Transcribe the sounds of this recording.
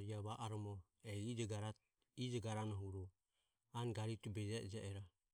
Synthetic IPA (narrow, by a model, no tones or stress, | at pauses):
ɾiaβaʔaɾɔmɔ | ɛid͡ʒɡaɾa | id͡ʒɔɡaɾanaɦuɾɔ | anɡaɾit̪ubɛd͡ʒaɛd͡ʒɛʔɛɾa